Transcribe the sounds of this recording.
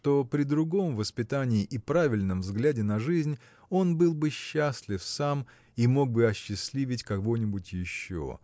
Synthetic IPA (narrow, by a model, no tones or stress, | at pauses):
ʂt̪o̞pɾʲɪd̪ɾʊɡo̞mvəspʲɪt̪anʲɪːʔipɾavʲɪlʲnəmvzɡlʲædʲɪnɐʐɨzʲnʲ | o̞nbɨlˠbɨɕːasʲlʲɪfsam | imo̞ɡ̚bɨɐɕːɪsʲlʲivʲɪtʲkɐvo̞nʲɪbʊtʲjɪɕːo̰